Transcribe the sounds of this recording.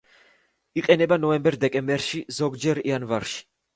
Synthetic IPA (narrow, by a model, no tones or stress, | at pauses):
iqʼɛnɛbanɔɛmbɛɾd̪ɛkʼɛmbɛɾʃizɔɡd͡ʒɛɾianvaɾʃi̥